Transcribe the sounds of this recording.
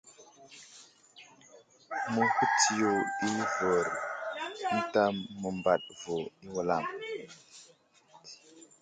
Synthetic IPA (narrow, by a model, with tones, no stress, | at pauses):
mə˦hu˦ti˦jo˨i˦vo˨ɾ | i˦ta˦mːə˨mba˨ɗvo˨i˦wu˨la˦˨m